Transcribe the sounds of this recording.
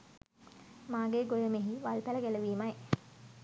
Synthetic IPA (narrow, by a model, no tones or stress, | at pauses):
maːɡeːɡojəmeɦiʋalpæləɡæləʋiːmaj